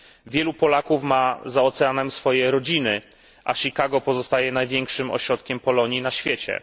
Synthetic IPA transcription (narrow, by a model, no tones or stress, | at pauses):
vʲjɛlupɔlakufmazaɔt̪sɛanɛmsfɔjɛɾɔd͡ʑinɘ | ʔaɕikaɡɔpɔzɔst̪ajɛnajvʲjɛŋkʂɘmɔ̰ɕɾɔt̪kʲɛmpɔlɔɲjinaɕfʲjɛt͡ɕɛ̰